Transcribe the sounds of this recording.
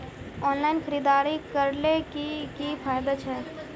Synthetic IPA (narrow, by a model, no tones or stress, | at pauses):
ɔːnlaːɪnkʰəɾiːd̪aːɾikəɾlekikipʰaːjd̪at͡ʃʰɛː